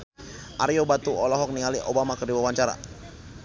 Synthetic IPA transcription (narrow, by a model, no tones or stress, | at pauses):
ʔaɾiobat̪uɔlɔɦɔk̚niŋaliʔobamakərdiwawaɲt͡ʃaɾa̰